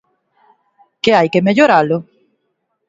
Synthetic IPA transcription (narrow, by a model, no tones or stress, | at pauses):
keajkemeʎoɾalʊ